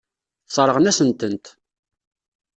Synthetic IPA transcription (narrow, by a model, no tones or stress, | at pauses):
sˤəɾˤəʁnæsənt̪ənt̪